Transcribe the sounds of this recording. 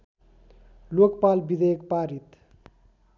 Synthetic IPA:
lokpalbid̪ek̚paːɾit̪

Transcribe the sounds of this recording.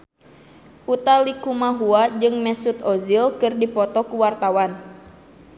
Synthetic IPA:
ʔut̪alikumaɦuad͡ʒɨŋmɛsut̪ɔzilkɨrdipɔt̪ɔkuwart̪awan

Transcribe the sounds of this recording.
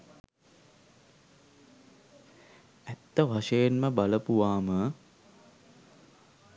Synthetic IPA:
æt̪ːəʋaʂejenməbaləpuʋaːmə

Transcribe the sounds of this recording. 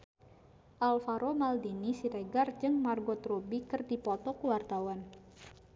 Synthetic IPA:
ʔalfaɾomaldinisiɾɛɡard͡ʒɨŋmarɡɔt̪rubikɨrdipɔt̪ɔkuwart̪awan

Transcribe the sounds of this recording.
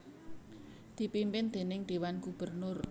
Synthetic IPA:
d̪̥i̤pimpɪnd̪̥e̤nɪŋd̪̥e̤wanɡub̥ərnʊr

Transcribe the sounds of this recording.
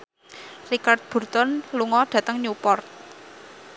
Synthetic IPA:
rikard̪̚b̥ṳrt̪ɔnluŋɔɖ̥ä̤t̪əŋɲupɔrt̪̚

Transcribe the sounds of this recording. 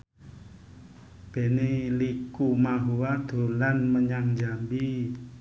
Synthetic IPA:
b̥e̤nelikumaɦuwad̪̥o̤lanməɲaŋd͡ʒambi

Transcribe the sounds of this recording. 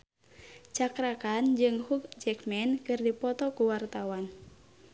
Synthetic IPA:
t͡ʃakɾakand͡ʒɨŋhukd͡ʒɛkmɛnkɨrdipɔt̪ɔkuwart̪awan

